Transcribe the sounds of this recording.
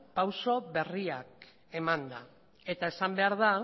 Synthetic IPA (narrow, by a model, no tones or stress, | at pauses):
pawso̞βe̞riak̚ | e̞mand̪a̰ | e̞t̪ae̞sambe̞aɾða